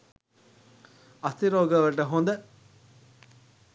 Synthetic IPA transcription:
ɐst̪iɾoːɡɐʋɐʈɐɦond̪ɐ

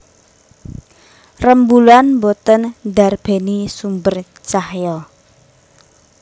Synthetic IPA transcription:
rəmbuluanmbot̪ənd̪a̤rb̥e̤nisumbər | t͡ʃahjɔ

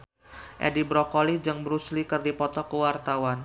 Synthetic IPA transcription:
ʔɛ̰dibɾɔkolid͡ʒəŋbɾuslikərdipɔt̪ɔkəwart̪awan

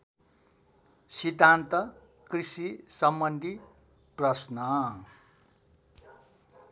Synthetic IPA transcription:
sid̪ʱːant̪ʌ | krisisʌmbʌnd̪ʱi | prʌsnʌ

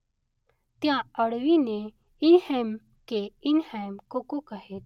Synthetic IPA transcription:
t̪jãəɽʋine | inhɛm | keinhɛmkokokaɦet̪

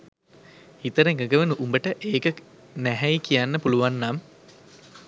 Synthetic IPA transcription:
it̪əɾeŋɡəɡəʋenuʔumbəʈəʔeːkə | næɦɛjkijanːəpuluʋanːam

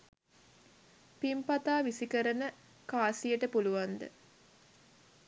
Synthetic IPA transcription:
pimpat̪aːʋisikəɾənə | kaːsijəʈəpuluʋand̪ə̰

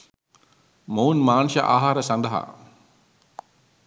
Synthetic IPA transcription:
mounmaːnʃəʔaːɦaːɾəsand̪əɦa̰

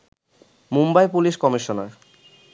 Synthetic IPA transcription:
mumbajpuliʃkɔmiʃonaɾ

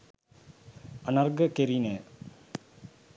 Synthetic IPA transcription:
ɐnɐrɡəkeɾineː

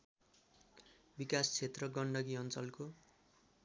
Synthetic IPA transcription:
bikast͡sʰet̪rʌɡʌɳɖʌɡiʌnt͡sʌlko

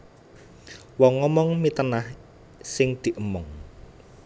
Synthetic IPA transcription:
wɔŋːɔmɔŋmit̪ənah | sɪŋd̪̥i̤ʔəmɔŋ

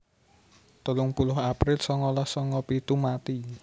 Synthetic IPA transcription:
t̪ulʊŋpulʊhapɾɪlsɔŋɔlɔhsɔŋɔpit̪umat̪i

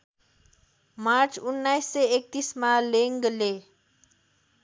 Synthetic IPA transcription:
maɾt͡sunːajsːeek̚t̪ismaleŋɡle

